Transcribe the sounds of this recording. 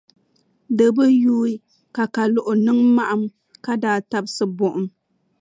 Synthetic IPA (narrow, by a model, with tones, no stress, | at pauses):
dɨ˨bɨ˦juː˦i˦ | ka˨ka˨lʊ˨ʔʊ˨nɨ˦ŋma˦ʔa˨m | ka˦daː˦ta˦bsɨ˦bʊ˦ʔʊ˨m